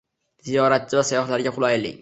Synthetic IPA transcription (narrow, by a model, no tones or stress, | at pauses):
z̥ijɒɾat̪̚t͡ʃʰɪvasajɒχlaɾɡʲaqʰʊlˠajlɪ̰